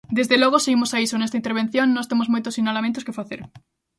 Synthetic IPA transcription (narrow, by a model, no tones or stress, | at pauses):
d̪ezðelɔɣoseimosaisonɛst̪aint̪eɾβ̞en̟θjonːɔst̪emozmojt̪osinalamẽnt̪ʊskefaθeɾ